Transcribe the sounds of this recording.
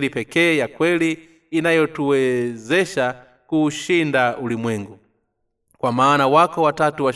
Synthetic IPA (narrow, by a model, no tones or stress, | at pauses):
lipɛkɛːjakwɛliː | najɔtuwɛzɛʃa | kuʃindaulimwɛŋɡu | kwamaːnawakɔwatatuwa